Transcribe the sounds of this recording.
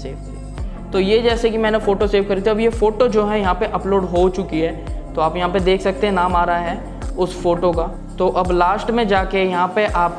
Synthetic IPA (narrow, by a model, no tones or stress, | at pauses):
seːʋkɾi | t̪oːjed͡ʒɛːsekimɛ̃ːnefoːʈoseːʋkɐɾit̪ʰiɐbjefoːʈod͡ʒoːɦɛjɐɦãpeʔɐploːɖɦot͡ʃʊkiɦɛːt̪oaːpjɐɦãped̪eːkʰsɐk̚t̪eɦɛ̃naːmaːɾaɦɛː | ʊsfoːʈokaː | t̪oːʔɐblaːsʈmẽd͡ʒaːkejɐɦãpeʔaːp̚